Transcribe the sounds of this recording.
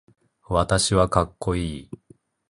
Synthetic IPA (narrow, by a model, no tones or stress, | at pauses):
βat̪aɕiβakakːo̞iː